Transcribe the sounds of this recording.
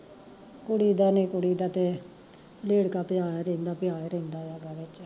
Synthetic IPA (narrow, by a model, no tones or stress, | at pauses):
kʊɽiːd̪aːnẽːkʊɽiːd̪aːt̪eː | leːɽkaːpɪjaːɾẽːnd̪aːpɪjaːɾẽːnd̪aːjaːɡaːʋɪt͡ʃ